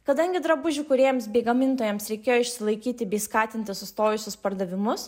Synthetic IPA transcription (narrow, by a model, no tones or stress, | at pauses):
kɐd̪ɐŋʲɡʲɪd̪ɾɐbʊʒʲʊkʊɾʲeɛjɛmsbʲɛɪɡɐmʲɪnt̪oːjɛmsɾʲɛɪkʲeːjoːɪʃʲsʲɪlˠɐɪkʲiːt̪ʲɪbʲɛɪskɑːt̪ʲɪnʲt̪ʲɪsʊst̪oːjʊsʲʊspɐɾd̪ɐʋʲɪmʊs